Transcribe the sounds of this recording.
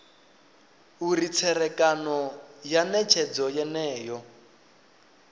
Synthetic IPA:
urit͡sʰɛɾɛkʼanɔjanɛt͡ʃʰɛd͡zɔjɛnɛːjɔ

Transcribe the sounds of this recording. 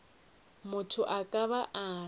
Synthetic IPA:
mʊtʰʊʔakʼaβaʔa

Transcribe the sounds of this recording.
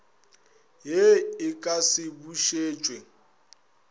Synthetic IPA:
ɦeɪkʼasɪbuʃeːt͡ʃʼwe

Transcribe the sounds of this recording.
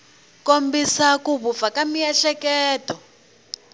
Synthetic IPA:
kombisakuβufakamiɛɬɛkɛːtɔ

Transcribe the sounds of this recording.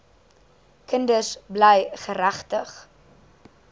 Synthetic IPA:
kəndəsblɛjχəɾæχtəχ

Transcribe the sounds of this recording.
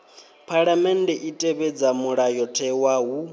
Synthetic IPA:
pʰaɺamɛndɛʔitʼɛβɛd͡zamuɺajɔtʰɛwaɦu

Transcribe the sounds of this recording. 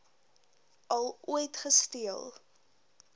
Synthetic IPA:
ʔɐlˠuəjtχəstiəlˠ

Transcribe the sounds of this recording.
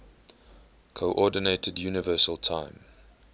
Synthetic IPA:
kʰoʔɔdɪneɪtʰədjuːnɪvɜːˑsəlˠtʰãɪ̃m

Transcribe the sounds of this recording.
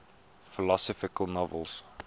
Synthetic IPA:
fɪlɔsɔfɪkəlˠnɔvə̰lˠs

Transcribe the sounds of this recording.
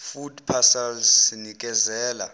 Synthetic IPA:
fudpʰasalsinik̬ʼɛzɛːla

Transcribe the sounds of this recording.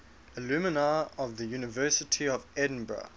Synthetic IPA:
əlʉmənaɔvðəjʉːnɪvɜːˑsɪtʰiɔvɛdⁿn̩bɹə̰

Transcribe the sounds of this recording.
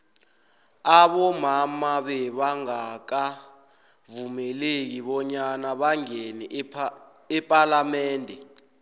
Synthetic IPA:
aɓɔmamaɓɛɓaŋak̬a | vumɛlek̬iɓɔɲanaɓaŋeni | ɛpʼalamɛːndʱɛ

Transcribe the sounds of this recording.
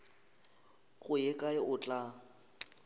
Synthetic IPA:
ɣʊjɛkʼaɪʔʊt͡ɬʼa

